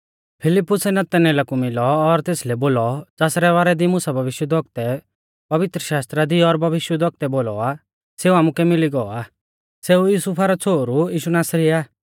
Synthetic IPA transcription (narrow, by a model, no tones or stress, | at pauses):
pʰɪlɪpːʊsɛnɐt̪ɛneːlakumɪlɔːɾt̪eːslɛboːlɔd͡zaːsɾɛʋaːɾɛd̪imʊsabʱɐʋɪʃjəd̪ʱɔk̚t̪ɛ | pɐʋɪt̪ɾəʃaːst̪ɾad̪iɔɾbʱɐʋɪʃjəd̪ʱɔk̚t̪ɛboːlɔ̰a | seːuaːmukɛmɪliɡɔaː | seːujuːsupʰaɾɔt͡sʰoːɾujiːʃunaːsɾiaː